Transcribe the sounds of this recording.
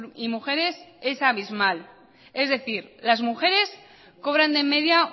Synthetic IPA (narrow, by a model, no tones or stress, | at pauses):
imuxe̞ɾe̞se̞saβizmal | e̞zðe̞θiɾlazmuxe̞ɾe̞s | ko̞β̞ɾand̪e̞me̞ðja